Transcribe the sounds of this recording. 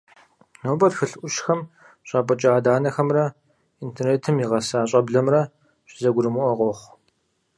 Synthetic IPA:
noːbɐtxɨɬʔʷʊʃxɐm | ɕʼaːpʼɐt͡ʃʼaːdaːnɐxɐmrɐ | intʰerneːtʰɨmjiʁɐsaːɕʼɐbɮɐmrɐ | ɕʼɪzɐɡʷʊɾɨmuʔɔʁʷɔχʷ

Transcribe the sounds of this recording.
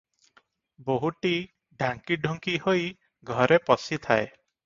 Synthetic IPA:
boɦuʈi | ɖʱãŋkiɖʱɔŋkihoj | ɡʱɔɾepɔsit̪ʰae

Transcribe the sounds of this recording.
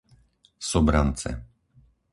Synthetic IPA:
sɔbɾant͡sɛ̰

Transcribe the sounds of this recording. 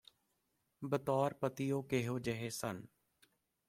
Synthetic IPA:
bət̪ɔːɾpət̪ijoːkeːɦoːd͡ʒeɦeːsən

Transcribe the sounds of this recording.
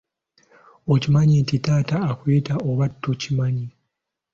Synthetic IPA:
ocimaɲicitaːtaːkweːtaʔoβatːocimaɲi

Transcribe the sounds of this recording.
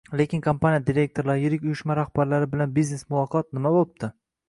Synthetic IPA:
le̞kʲʰɪnkʰompʰanijad̪iɾʲe̞k̚ʲt̪ʰo̞ɾlaɾɪjɪɾɪkʲʊjʊʃmaɾahb̥aɾlaɾɪbɪlanbizne̞smʊlˠɒqʰɒt̪̚nɪmabolˠɪp̚t̪ɪ

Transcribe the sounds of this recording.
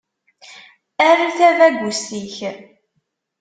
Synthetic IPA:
æriθævæɡʷustiç

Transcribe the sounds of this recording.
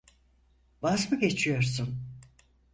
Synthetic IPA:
vazmɯɡe̞t͡ʃʰijo̞ɾs̬un

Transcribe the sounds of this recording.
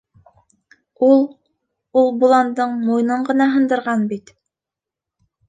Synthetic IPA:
ulˠ | ulˠbulˠɑnd̪ɤɴmujnɤɴɢɤ̆nɑɦɤ̆nd̪ɤ̆ɾʁɑnbit̪

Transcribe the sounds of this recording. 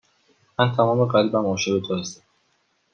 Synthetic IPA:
mænt̪ʰæmɒːme̞ɢælibæmɒːʃebet̪ʰohæst̪æm

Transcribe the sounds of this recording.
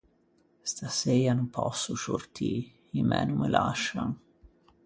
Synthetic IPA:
st̪asejanumpʰɔsːusort̪ʰiː | imɛnumːəlʔaʃːaŋ

